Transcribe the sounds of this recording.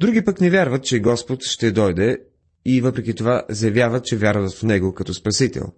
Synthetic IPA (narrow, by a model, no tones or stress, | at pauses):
d̪ɾuɡʲipəknɛvʲjaɾvət̪̚t͡ʃɛɡɔspot̪ʃt̪ɛd̪ɔjd̪ɛ | ivɤpɾɛkʲit̪ovazɐjɐvjavət̪̚t͡ʃɛvʲjaɾvət̪fnɛɡokɐt̪ɔspɐsit̪ɛ̰lˠ